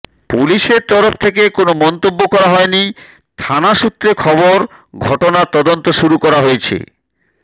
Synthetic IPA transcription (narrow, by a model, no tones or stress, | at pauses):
puliʃeɾt̪ɔɾoft̪ʰek̬ekonomɔnt̪obːokɔɾaɦɔeni | t̪ʰanaʃut̪ːɾekʰɔboɾɡʱɔʈonaɾt̪ɔd̪ont̪oʃuɾukɔɾaɦoet͡ɕʰḛ